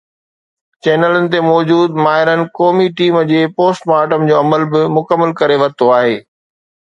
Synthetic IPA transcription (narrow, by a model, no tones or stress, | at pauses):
t͡ɕɛːnələnɪ̆t̪̬emɔːd͡ʑuːd̪maːɦɪɾənɪ̆kɔːmiʈiːmd͡ʑeːpoːsʈmaːɾʈəmd͡ʑoːɐməlbɪmʊkəmːəlkɐɾeʋɐt̪ʰoaːɦeː